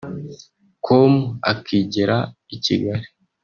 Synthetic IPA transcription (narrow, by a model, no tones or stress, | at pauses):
kʰomua̰kʰiːɟeɾa | icḭɡaɾi